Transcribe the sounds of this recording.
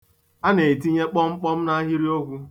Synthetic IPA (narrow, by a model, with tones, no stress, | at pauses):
a˦ne˨i˨ti˦ɲe˦k͡pɔ˦ŋ͡m̩˦k͡pɔ˦m̩˦na˦ɦi˦ɾi˦o˦ɡʷu˦